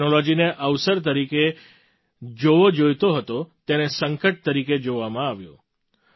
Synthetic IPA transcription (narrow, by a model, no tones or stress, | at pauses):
nolod͡ʒineʔəʋsəɾt̪̬əɾike | d͡ʒoʋod͡ʒojt̪oɦət̪ot̪enesəŋkəʈ̚t̪əɾiked͡ʒoʋamãaʋjo̰